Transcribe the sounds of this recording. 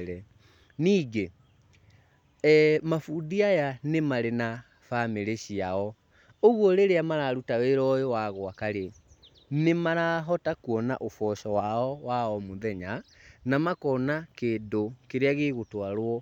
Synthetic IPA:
ɾɛ | niːɡe | mafudiajanemaɾena | fameɾeɕiaɔ | oɣwɔɾeɾeamaɾaɾutaweɾɔjowaɣwakaɾe | nemaɾaɦɔtakwɔna̰ʔofɔʃɔwaɔwaɔmoðɛɲanamakɔnakeːndokeɾeaɣeɣotwaɾwɔ

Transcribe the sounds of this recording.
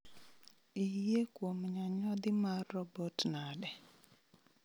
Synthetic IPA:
ijekwomɲaɲɔd̪ɪmaɾːɔbɔtnadɛ

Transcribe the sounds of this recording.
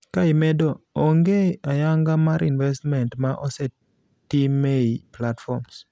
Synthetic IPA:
kaɪmɛdɔɔŋɡeajaŋɡamaɾinvɛstmɛntmaʔɔsɛ | timeiplatfɔrms

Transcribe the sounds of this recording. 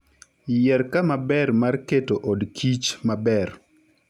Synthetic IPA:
jɛɾkamabɛrmarketoʔɔdkʰit͡ʃmabɛr

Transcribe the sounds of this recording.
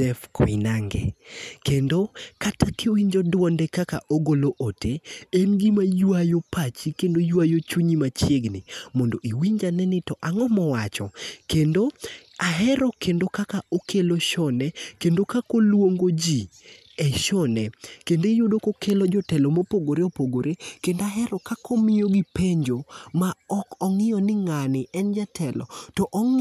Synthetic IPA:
ɛfkʰɔɪnaŋɡɛ̰kendokatakʰɪwiɲd͡ʒɔdʊwɔndɛkakaʔoɡoloʔotʰeenɡimajwajopat͡ʃikendojwajot͡ʃuɲimat͡ʃjeɡnɪmɔndoʔiwiɲd͡ʒanɛnɪtɔʔaŋɔmɔwat͡ʃɔkendoaɦɛɾɔkʰendokakaʔokʰeloʃɔnɛkendokakolwoŋɡod͡ʒi | ɛʃɔnɛkendojʊdokokelod͡ʒɔtɛlomopoɡoɾeopoɡoɾʔekendoaɦɛɾɔkakʰomɪjoɡipeɲd͡ʒomaɔkɔŋɪjɔnɪŋanɪɛnd͡ʒatʰɛlɔ̰tɔʔɔŋ

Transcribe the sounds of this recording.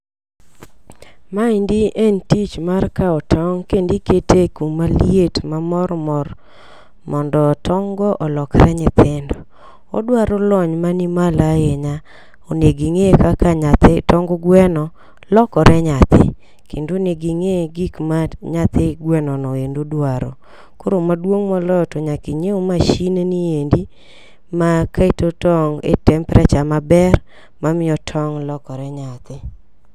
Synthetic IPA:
maindiʔentit͡ʃmarkaɔtʰɔŋkendiketekummːalietmamɔɾmɔr | mɔndɔtʰɔŋɡɔʔɔlɔkɾɛɲɪt̪ʰɪndɔ | ɔ̰dwaɾɔlɔɲmanimalajeɲa | oneɡiŋekakaɲat̪tɔŋɡɔɡwɛnɔ | lɔkɔɾɛɲat̪ʰɪ̰ | kendoneɡiŋeɡikmaɲat̪ɪɡwɛnɔnɔendodwaɾo̰ | koɾomadwoŋmɔlɔtɔɲakiɲeomaʃineniendi | makaitotɔŋḛtɛmpɾɛt͡ʃamabɛr | mamɪɔtʰɔŋlɔkɔɾɛɲat̪ɪ

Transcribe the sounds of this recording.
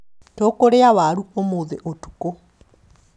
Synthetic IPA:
toːkoɾeawaɾuomoðeʔotu̥ko

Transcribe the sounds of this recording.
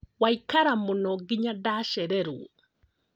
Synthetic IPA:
waikaɾamunɔɡiɲadaʃɛɾɛɾṵ

